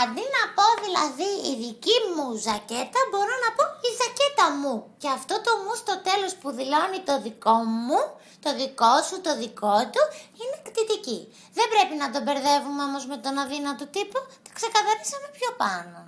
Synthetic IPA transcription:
ɐnd̪inɐpo̞ðilɐðiiðicimuzɐce̞t̪ɐbo̞ɾonɐpo̞izɐce̞t̪ɐmuce̞ɐft̪o̞t̪o̞must̪ot̪e̞lo̞spuðilo̞nit̪o̞ðiko̞mu | t̪o̞ðiko̞sut̪o̞ðiko̞t̪uine̞kt̪it̪ici | ðe̞bɾe̞pinɐt̪o̞be̞ɾðe̞vumeomo̞zme̞t̪o̞nɐðinɐt̪ot̪iput̪o̥ksekɐθɐɾisɐmepço̞pɐno̞

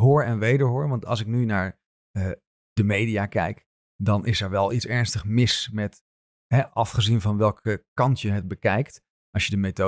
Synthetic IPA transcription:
ɦoːɹɛnʋejdəɹɦoːɹʋɑntɑ̰lˠsɪk̚nynaːɹ | d̥əmejdiakɛ̰jk | dɑnʔɪsɛɹʋɛlˠitsɛɹnstəχmɪsmɛt | ɦɛɑfχəzinvɑnʋɛlˠkəkɑntjəɦət̚bəkɛjkt | ʔɑʃjədəmeto

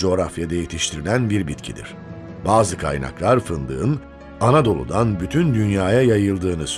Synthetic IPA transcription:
o̞ːɾafjad̪ajet̪ʰiʃt̪ʰiɾilʲænbiɾbit̪cʰid̪ḭɾ̥ | baːzɯkʰa̰jna̰klˠaɾfɯnd̪ɯ̰ːɯn | anad̪o̞lˠṵd̪anbyt̪ʰynd̪ynjaːjajajɯlˠd̪ɯːnɯs

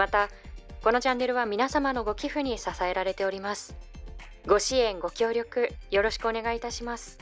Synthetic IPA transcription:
mat̪a | ko̞no̞d͡ʑãnːe̞ɾɯ̟βamʲinasamano̞ɡo̞kʲiɸɯ̟ɲ̟isasae̞ɾaɾe̞t̪e̞oɾʲimasɨ̥ | ɡo̞ɕiẽ̞ŋɡo̞kʲo̞ːɾʲo̞kɯ̟jo̞ɾo̞ɕi̥kɯ̟o̞ne̞ɡait̪aɕimasɨ̥

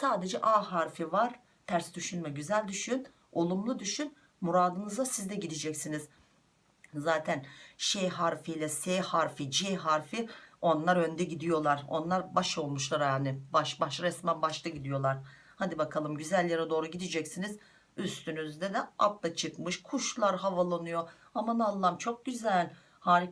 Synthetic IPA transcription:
saːd̪e̞d͡ʒɛʔaːɦaɾfivaɾ̥ | t̪ʰæɾsd̪yʃynmɛɟyzælʲd̪yʃyn | o̞lˠumlˠud̪yʃyn | muɾaːd̪ɯnɯzasizd̪ɛɟid̪id͡ʒɛcsiniz | zaːt̪ʰænʃejɦaɾfijlʲɛseːhaɾfid͡ʒeɦaɾfio̞nlˠaɾø̞nd̪ɛɟid̪ijo̞lˠaɾo̞̰nlˠaɾbaʃo̞lˠmuʃlˠaɾjanɪbaʃbaʃɾɛsmænbaʃt̪aɟid̪ijo̞lˠaɾ̥ | had̪ibakʰalˠɯmɟyzælʲːeɾɛd̪o̞ːɾuɟid̪id͡ʒɛcsiniz | yst̪ʰynyzd̪ɛd̪ɛa̰plˠat͡ʃʰɯkmɯʃkʰuʃlˠaɾɦavalˠanujo̞ | amanalˠːamt͡ʃʰo̞k̚ɟyzælʲ | haːɾ

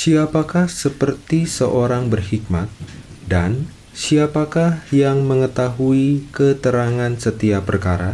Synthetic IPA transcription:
siapakahsəpərt̪isəʔoɾaŋbərhik̚ma̰t̪̚ | dan | siapakahjaŋməŋət̪aɦuikət̪əɾaŋansət̪iapərkaɾa

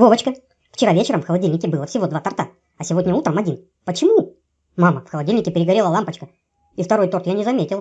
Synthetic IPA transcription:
vovət͡ɕkə | ft͡ɕɪɾavʲet͡ɕɪɾəmfxəlˠɐdʲilʲnʲɪkʲɪbɨlˠəfsʲɪvo̞d̪vat̪ɐrt̪a | ɐsʲɪvo̞dʲnʲɪut̪ɾəmɐdʲin | pət͡ɕɪmu | maməfxəlˠɐdʲilʲnʲɪkʲɪpʲɪɾʲɪɡɐɾʲeləlˠampət͡ɕkə | ift̪ɐɾo̞jt̪o̞rt̪janʲɪzɐmʲetʲɪlˠ

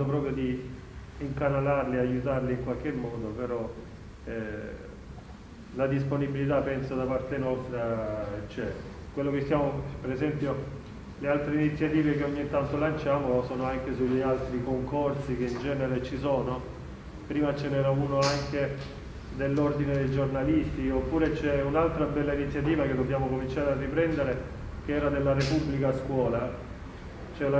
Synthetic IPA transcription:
op̬ɾɔːpɾjod̪i | iŋkanalarliajut̪arliːŋkwalk̟emːɔːd̪opeɾɔ | ɛ | lad̪isponibilit̪apːɛnsad̪apart̪enɔst̪ɾat͡ʃɛ | kwelːok̟est̪ːjaːmopeɾezɛmpjo | lealt̪ɾeinit̪sːjat̪iːvekeoɲːit̪ːant̪olant͡ʃaːmosɔːnoaŋk̟esuʎialt̪ɾikoŋkorsik̟eind͡ʒɛːneɾet͡ʃisoːno | pɾiːmat͡ʃenɛːɾauːnoaŋke | d̪elːord̪ined̪ejd͡ʒornalist̪iopːuːɾet͡ʃɛunalt̪ɾabɛlːainit̪sjat̪̬iːvaked̪obːjaːmokomint͡ʃaːɾearːipɾɛnd̪eɾe | k̟eɛːɾad̪elːarepubːlikaskwɔːla | t͡ʃɛa

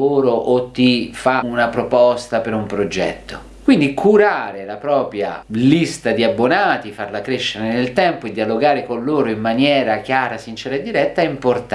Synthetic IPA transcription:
oːɾoʔot̪ːifaunapɾopɔst̪apeɾumpɾod͡ʒɛ̰t̪ːo | kwind̪ikʰuɾaːɾelapɾɔːpɾja̰list̪ad̪iabːonaːt̪ifarlakɾeʃːeɾenelt̪ɛmpoed̪ːialoɡaːɾekonloːɾoimːanjɛːɾakjaːɾasint͡ʃɛːɾaed̪ːiɾɛt̪ːaɛimport̪a

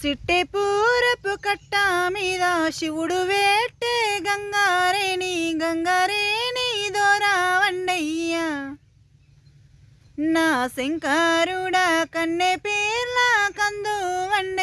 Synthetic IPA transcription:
siʈːepuːɾɐpːukɐʈːɐmiːd̪ɐʃiʋuɽuʋeːʈːeɡɐŋɡaɾeːniɡɐŋɡaːɾeːnid̪ɔːɾaʋɐɳɖeja | naːseŋkaɾuɽɐkɐɳːepeːɾlakɐnd̪uʋɐɳɖe

